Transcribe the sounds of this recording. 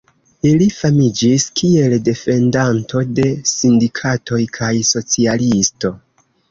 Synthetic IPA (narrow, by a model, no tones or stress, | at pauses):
ilifamid͡ʒiskʰie̞lde̞fe̞ndanto̞de̞sindikʰato̞jkʰajso̞t͡sialisto̞